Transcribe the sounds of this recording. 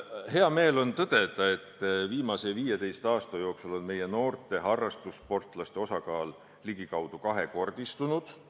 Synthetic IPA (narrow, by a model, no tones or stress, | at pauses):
he̞ɑme̞ːlo̞nt̪ɤd̪̥e̞d̪̥ɑe̞t̪ˑːviːmɑse̞viːjet̪e̞jst̪ɑːst̪ɑjo̞ːksulo̞nme̞je̞no̞ːrt̪e̞ɦɑrːɑst̪uspo̞rt̪ˑlɑst̪e̞o̞sɑkɑːl | liɡikɑwd̪̥ukɑɦe̞ko̞rd̪̥ist̪unud̪̥